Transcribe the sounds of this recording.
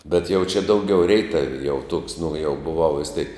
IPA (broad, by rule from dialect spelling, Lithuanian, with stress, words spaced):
bʲɛt jɛʊ t͡ʃʲɛ ˈdɐʊˌɡʲɛʊ ˈrʲɛɪtɐʋʲɪ jɛʊ tuɔks nʊ jɛʊ bʊˈʋɐʊ ʋʲɪs tʲeːk